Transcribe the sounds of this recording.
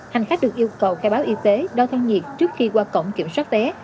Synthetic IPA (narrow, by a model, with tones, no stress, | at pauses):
ha˨˩jŋ̟xa˦˥k̟̚ɗɨ˨˩ək̚ʔi˧əwkə˨˩wxaː˧jɓaː˨˦wʔi˧t̪e˨˦ɗa˧t̪ʰaː˧ŋŋi˨˩əp̚t͡ɕɨ˦˥ək̚xi˧kwaː˧kə̰˧˨wŋ͡mki˧˩əmswaː˦˥t̚vɛ˨˦